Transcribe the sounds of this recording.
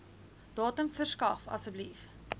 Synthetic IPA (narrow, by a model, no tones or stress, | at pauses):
d̥ɑːtəmfərskɐfɐ̰səblif